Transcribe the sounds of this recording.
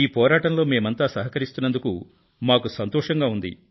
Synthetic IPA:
iːpɔːɾaːʈɐnlo̞ːme̞ːmɐnt̪aːsɐɦɐkɐɾist̪unːɐnd̪uku | maːkusɐnt̪ɔːʂɐŋɡaːund̪ḭ

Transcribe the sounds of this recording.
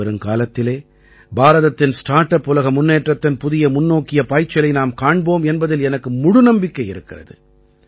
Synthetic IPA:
ɐɾɯmkaːlɐt̪ːɪleː | baːɾɐðɐt̪ːɪnsʈaːɾʈːɐpːʊlɐɣɐmʊnːeːʈrɐt̪ːɪnpʊðɪjɐmʊnːoːkːɪjɐpaːɪt͡ʃːɐlɐɪnaːmkaːɳboːmɛnbɐðɪlɛnɐkːɯmʊɽʊnɐmbɪkːɐjɪɾɯkːɪrɐ̰ðɯ̰

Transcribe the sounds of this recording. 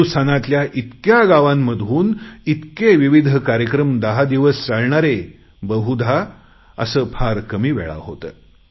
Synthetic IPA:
sanat̪ljaʔit̪kjaɡaʋãmːəd̪ʱuːnit̪keʋiʋid̪ʱəkaɾjəkɾəmd̪əɦad̪iʋəst͡saɭɳaɾe | bəɦud̪ʱa | ə̰səːpʰaɾkəmiːʋɛ̰ɭa̰ɦot̪ə̰

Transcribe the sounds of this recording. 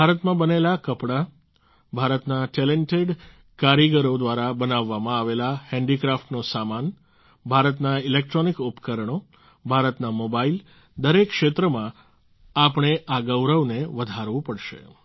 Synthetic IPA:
bʱaɾət̪mãbənelakəpɽa | bʱaɾət̪naʈɛleɳʈeɖ | kaɾiɡəɾod̪ʋaɾabənaʋːamãaʋelahɛ̃ɳɖikɾafʈnosaman | bʱaɾət̪nailek̚ʈɾonikupə̥kəɾəɳo | bʱaɾət̪namobail | d̪əɾekːʃet̪ɾəmã | apəɳ̃eʔaɡəwɾəʋneʋəd̪ʱaɾʋũpəɽʃḛ

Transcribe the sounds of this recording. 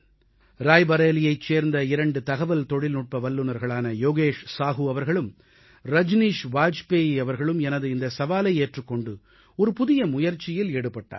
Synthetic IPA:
ɾaːjbɐɾeːlɪjɐɪt͡ʃːeːɾnd̪ɐɪɾɐɳɖɯt̪ɐɣɐʋɐlt̪ɔɽɪlnuʈ̚pɐʋɐlːɯnɐɾɣɐɭaːnɐjoːɣeːʂsaːɣɯɐʋɐɾɣɐɭɯm | ɾɐd͡ʒniːʂʋaːd͡ʒpeːɐʋɐɾɣɐɭɯmɛnɐðɯɪnd̪ɐsɐʋaːlɐɪeːʈrɯkːɔɳɖɯ | ɔɾɯpʊðɪjɐmʊjɐɾt͡ʃːɪjɪleːɽɯpːɐʈːa̰ː

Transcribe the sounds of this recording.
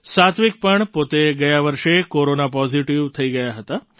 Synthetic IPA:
sat̪ʰʋik̚pəɳpot̪eɡəjaʋəɾʃekoɾonapɔziʈiʋt̪ʰəiɡəjaɦət̪a

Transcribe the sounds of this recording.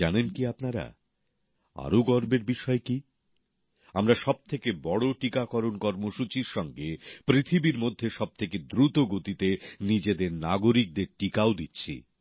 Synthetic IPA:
anenkiapnaɾa̰ | a̰ɾoɡɔɾbeɾbiʃɔeki | amɾaʃɔb̚t̪ʰekebɔɽoʈikakɔɾonkɔɾmoʃut͡ɕiɾʃɔŋɡepɾit̪ʰibiɾmod̪ʱːeʃɔb̚t̪ʰeked̪ɾut̪oɡot̪it̪enid͡ʑed̪eɾnaɡoɾik̚d̪eɾʈikaod̪itːɕʰḭ

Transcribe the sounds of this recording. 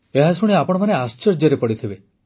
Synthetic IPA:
eɦasuɽ̃iapɔɽ̃ɔmaneast͡ʃɔɾd͡ʒjɔɾepɔɽit̪ʰibe

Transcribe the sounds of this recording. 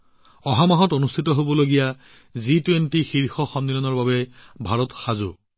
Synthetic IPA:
ɔɦamaɦɔtonustʰitɔɦobɔloɡija | zitwentixiɹxɔxɔmdilɔnɔɹbabɛbʱaɹɔtxazʊ̰

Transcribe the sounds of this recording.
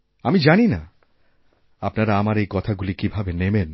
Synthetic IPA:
amid͡ʑanina̰ | apnaɾaamaɾejkɔt̪ʰaɡulikibʱabenemen

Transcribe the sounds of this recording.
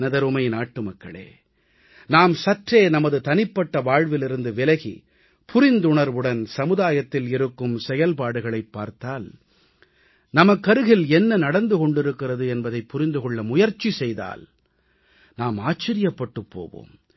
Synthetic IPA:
nɐðɐɾʊmɐɪnaːʈːɯmɐkːɐɭḛː | naːmsɐʈreːnɐmɐðɯt̪ɐnɪpːɐʈːɐʋaːɻʋɪlɪɾɯnd̪ɯʋɪlɐɣḭ | pʰʊɾɪnd̪ʊɳɐɾʋɯɽɐnsɐmɯðaːjɐt̪ːɪlɪɾɯkːɯmsɛjɐlpaːɽɯɣɐɭɐɪpːa̰ːɾt̪aːl | nɐmɐkːɐɾɯɣɪlɛnːɐnɐɽɐnd̪ɯkɔɳɖɪɾɯkːɪrɐðɯɛnbɐðɐɪpːʊɾɪnd̪ɯkɔɭːɐmʊjɐɾt͡ʃːisɛjða̰ːl | naːmaːt͡ʃːɐɾɪjɐpːɐʈːɯpːo̰ːʋo̰ːm

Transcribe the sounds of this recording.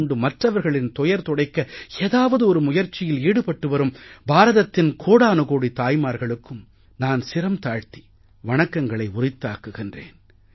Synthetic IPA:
ɳɖɯmɐʈrɐʋɐɾɣɐɭɪnt̪ɔjɐɾt̪ɔɽɐɪkːɐeːðaːʋɐðɯɔɾɯmʊjɐɾt͡ʃːɪjɪliːɽɯpɐʈːɯʋɐɾɯmbaːɾɐðɐt̪ːɪnkʰoːɽaːnɯɣoːɽit̪aːjmaːɾɣɐɭɯkːɯm | naːnsɪɾɐmt̪aːɻt̪i̥ | ʋɐɳɐkːɐŋɡɐɭɐɪʊrɪt̪ːa̰ːkːɯɣɪndreːn

